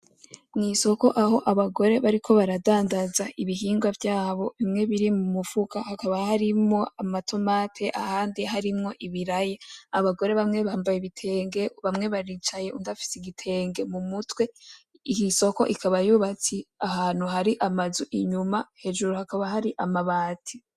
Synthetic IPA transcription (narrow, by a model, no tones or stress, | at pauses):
ŋiso̞ko̞ʔaho̞ʔaβaɡo̞ɾe̞βaɾikʰo̞βaɾadaːndazaʔiβiɦiːŋɡwavjaːβo̞βimŋe̞βiɾimumufukahakaβahaɾimo̞amatʰo̞matʰe̞ʔa̰haːndiɦaɾimŋo̞ʔiβiɾajeaβaɡo̞ɾe̞βamŋe̞βaːmbajiβitʰe̞ːŋɡe̞βamŋe̞βaɾit͡ʃaje̞ʔundafi̥siɡitʰe̞ːŋɡe̞mumutwe̞ | ihiso̞ko̞̰ʔikaβajuːβat͡siahaːn̥huɦaɾiʔamazuʔiɲumahe̞d͡ʒuɾuhakaβahaɾiʔamaβaːtʰi